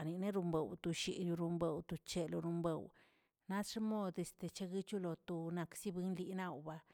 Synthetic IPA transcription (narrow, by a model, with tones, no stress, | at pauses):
ni˨ne˦ɾu˧mbe˨wt̪u˧ʃḭ˨ju˧ɾu˧mbe˨wt̪u˧t͡ʃe˧lo˧ɾu˧mbe˨w | na˦ʂmo˦d̪e˨st̪e˨t͡ʃe˧ɡi˦t͡ʃu˦lo˨t̪o˨na˧ksi˦bi˦nli˧na˧wba˧